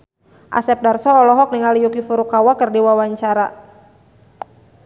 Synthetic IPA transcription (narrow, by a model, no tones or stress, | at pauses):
ʔa̰sɛp̚darsɔːlɔɦɔk̚niŋalijukifuɾukawakərdiwawaɲt͡ʃaɾa